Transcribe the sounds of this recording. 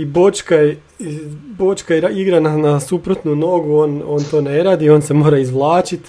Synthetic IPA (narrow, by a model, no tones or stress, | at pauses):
ibo̞t͡ʃkaje | ibo̞t͡ʃkaeɾaiɡɾananasupɾot̪nuno̞ːɡuo̞ːno̞ːnt̪o̞ːne̞ɾaːd̪io̞ːnse̞mo̞ːɾaizʋlˠaːt͡ʃit̪